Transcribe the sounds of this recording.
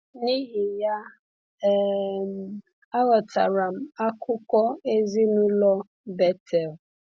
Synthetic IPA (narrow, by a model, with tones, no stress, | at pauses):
ni˦ɦi˨ja˦ | m˨ | a˦ɣɔ˨tʰa˨ɾa˨m̩˨a˦kʰʊ˦kʷɔ˦e˦zi˦nʊ˦lɔ˦ | bɛ˦tʰɛ˨l